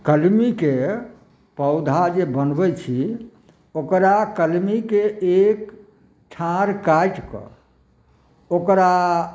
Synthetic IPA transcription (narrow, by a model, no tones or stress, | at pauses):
kəlmike | pəʊd̪ʱad͡ʒebənbɛt͡ʃʰi | okɾakəlmikeek | ʈʰãɾkajʈkɔ̰ | okɾa